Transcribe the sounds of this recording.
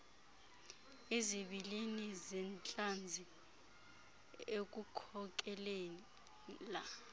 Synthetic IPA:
eziɓilinizɛnt͡ɬʼand͡zʱi | ek̬ʼukʰɔk̬ʼɛlen | la

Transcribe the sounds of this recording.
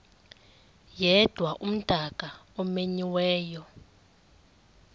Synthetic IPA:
jɛd̥ʱwaʔum̩d̥ʱak̬ʼaɔmeɲiwɛːjɔ

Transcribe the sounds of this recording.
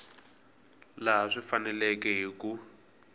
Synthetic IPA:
laɦaʂifanɛlɛkɛɦiku

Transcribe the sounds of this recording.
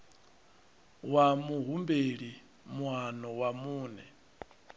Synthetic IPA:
wamuɦumbeɺi | mwanɔwamuːnɛ̰

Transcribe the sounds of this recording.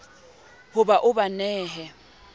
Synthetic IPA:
hʊbaʔʊbanɛːɦɛ

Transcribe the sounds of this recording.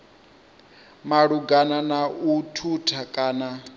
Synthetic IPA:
maɺuɡananautʰutʰakʼaːna

